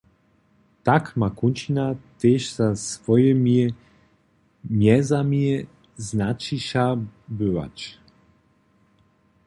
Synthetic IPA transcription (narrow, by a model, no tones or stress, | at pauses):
t̪akmakunt͡ʃinat̪eʃzasvɔjɛmi | mjɛzamie | znat͡ʃiʃabøva̰t͡ʃ